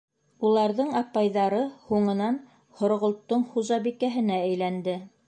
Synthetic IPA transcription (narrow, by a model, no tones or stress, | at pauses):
ulˠɑɾðɤɴɑpɑjðɑɾɤhuɴɤ̆nɑn | hŏɾ̆ʁŏlˠt̪ːɤɴχuʒɑbikæɦɘ̆nææjlænd̪ɘ